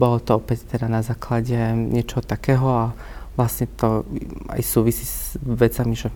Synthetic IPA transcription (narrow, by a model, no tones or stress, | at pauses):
bɔlɔt̪ɔɔpɛct̪ɛd̪anazaːklaɟɛɲɛt͡ʃɛɦɔt̪akɛːɦɔa | ʋlasɲɛt̪ɔa̰jsuːʋisiːzʋɛt͡samiʒɛ